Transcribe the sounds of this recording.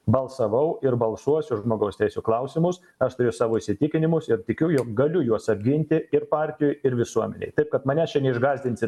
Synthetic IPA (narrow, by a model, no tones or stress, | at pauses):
bɐlˠsɐʋɐʊʔɪɾbɐlˠsuɔsʲʊʒʒmoːɡɐʊst̪ʲɛɪsʲuːklˠɐʊsʲɪmʊs | ɐʃt̪ʊɾʲʊsɑːʋoːiʃʲsʲɪt̪ʲɪkʲɪnʲɪmʊsɪɾt̪ʲɪkʲʊjoːk̚ɡɐlʲʊjuɔsɐbʲɡʲɪnʲt̪ʲɪɪɾpɑːrʲt̪ʲɪjoːjɪɾʋʲɪsuɔmʲɛ̰nʲɛ̰ɪt̪ɐɪp̚kɐt̪mɐnʲɛt͡ʃʲɛnʲɛɪʒɡɑːzʲd̪ʲɪnʲsʲɪ